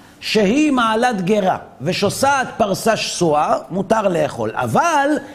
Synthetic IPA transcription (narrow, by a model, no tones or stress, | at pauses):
ʃehimaːlat̪ɡeʁa̰veʃosaːt̪̚paʁsaʃsuamut̪aʁle̞ːχo̞̰la̰val